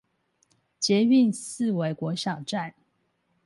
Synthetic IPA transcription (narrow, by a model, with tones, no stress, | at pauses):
t͡ɕjɛ˨˦y˥˨ns̩˥˨we˧˥ɪkwɔ˧˥ɕjɑ˨˩ʊʈ͡ʂa˥˨n